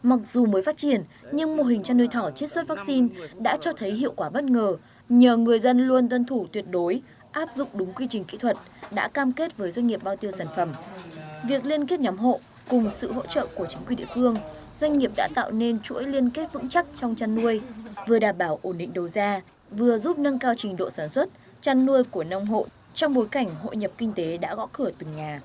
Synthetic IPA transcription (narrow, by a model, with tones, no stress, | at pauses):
ma˨˩t̚zu˨˩məː˨˦jfaː˦˥t̚t͡ɕi˧˩ənɲɨ˧ŋmo˨˩ɦï˨˩ŋ̟t͡ɕa˧nːu˧əjt̪ʰɔ˧˩t͡ɕi˦˥t̚swə˦˥t̚vaː˦˥k̚si˧nɗa̰ː˧˥t͡ɕɔ˧t̪ʰə˨˦jɦḭ˧˨əwkwaː˧˩ɓə˦˥t̚ŋəː˨˩ | ɲəː˨˩ŋɨ˨˩əjzə˧nlu˧ənt̪wə˧nt̪ʰu˧˩t̪wi˨˩ət̚ɗo˨˦j | ʔaː˦˥p̚zʊ̰˧˨ŋ͡mɗʊ˨˦ŋ͡mkwi˧t͡ɕï˨˩ŋ̟kḭ˧˥t̪ʰwə˨˩t̚ɗa̰ː˧˥kaː˧mke˦˥t̚vəː˨˦jzwa˧ŋ̟ŋi˨˩əp̚ɓaː˧wt̪i˧əwsaː˧˩nfə˧˩mvi˨˩ək̚li˧ənki˦˥t̚ɲɔ˨˦mɦo̰˧˨ | kʊ˨˩ŋ͡msɨ̰˧˨ɦo̰˧˥t͡ɕə̰ː˧˨ku˧˩ət͡ɕi˨˦ŋki˨˩˨nɗḭ˧˨fɨ˧əŋ | z̥wa˧jŋ̟ŋi˨˩əp̚ɗa̰ː˧˥t̪a̰ː˧˨wne˧nt͡ɕṵ˧˥əjli˧ənke˦˥t̚vɨ̰˧˥ŋt͡ɕa˦˥k̚t͡ɕɔ˧wŋ͡mt͡ɕa˧nːu˧əjvɨ˨˩əɗaː˨˩mɓaː˧˩wʔo˧˩nɗḭ̈˧˨ŋ̟ɗə˨˩wzaː˧ | vɨ˨˩əzu˦˥p̚nə˧ŋkaː˧wt͡ɕï˨˩ŋ̟ɗo̰˧˨saː˧˩nswə˦˥t̚ | t͡ɕa˧nːu˧əjku˧˩ənɔ˧wŋ͡mɦo̰˧˨ | t͡ɕɔ˧wŋ͡mɓo˨˦jka˧˩jŋ̟ɦo̰˧˨ɲə˨˩p̚kï˧ŋ̟t̪e˨˦ɗa̰ː˧˥ɣɔ̰˧˥kɨ˧˩ət̪ɨ˨˩ŋɲaː˨˩